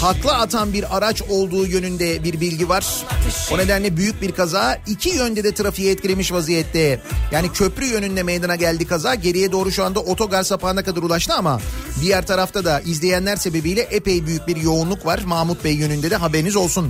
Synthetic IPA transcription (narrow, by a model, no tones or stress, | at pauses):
haklˠɯat̪ʰanbiɾaɾat͡ʃo̞lˠd̪uːjø̞nynd̪ɛbiɾbilʲɟivaɾ̥one̞d̪ænlʲɛbyjyc̚biɾkʰazaːicʰijønd̪ɛd̪ɛt̪ʰɯɾafijaɛt̪cʰilʲe̞miʃvazijɛt̪ːɛjaːnicʰø̞pɾyjø̞nynd̪ɛme̞jd̪anaɟælʲd̪ikazaːɟe̞ɾijɛd̪o̞ːɾuʃuand̪aʔo̞t̪ʰo̞ɡaɾsapaːnakad̪aɾulˠaʃt̪ɯamad̪ijæɾt̪ʰaɾaft̪ʰad̪aʔizlʲe̞jænlʲæɾse̞be̞bijlʲɛʔepejbyjyc̚biɾjo̞unlˠukvaɾ̥maːmut̪̚bɛjːø̞nynd̪ɛd̪ɛɦabeɾinizo̞lˠsun